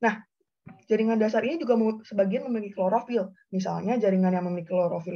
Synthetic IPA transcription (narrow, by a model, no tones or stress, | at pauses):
nah | d͡ʒaɾiŋandasaɾinid͡ʒuɡamsəbaɡianməmilikikloɾofil | mis̬a̰lɲad͡ʒaɾiŋanjaŋməmilikiloɾofi